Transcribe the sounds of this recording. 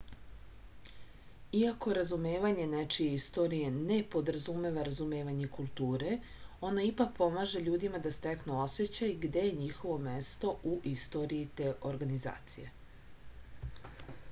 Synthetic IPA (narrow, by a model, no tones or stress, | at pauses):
iako̞ɾazume̞ːʋaɲe̞net͡ʃijeist̪o̞ɾije̞ne̞po̞d̪ɾazume̞ʋaɾazume̞ːʋaɲekulˠt̪uːɾe̞ | o̞naipak̚po̞maːʒe̞ʎuːd̪imad̪ast̪e̞knuo̞set͡ɕajɡd̪e̞jeɲixo̞ʋo̞mest̪o̞ʔuʔist̪o̞ɾiit̪e̞ʔo̞ɾɡaniza̰ːt̪sḭje̞̰